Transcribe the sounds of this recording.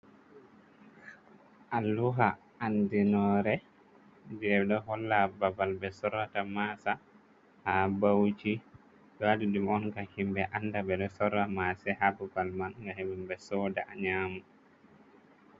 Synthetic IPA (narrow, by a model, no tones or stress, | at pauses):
ʔalːuɦa | andinɔɾɛ | d͡ʒɛɗɔɦɔlːababalbɛsɔɾatamasa | habawt͡ʃi | dadidumɔnɡahimbɛʔanːdabɛɗɔsɔɾamasɛhababalmanɡahebumbɛsɔda̰ʔaɲaːmu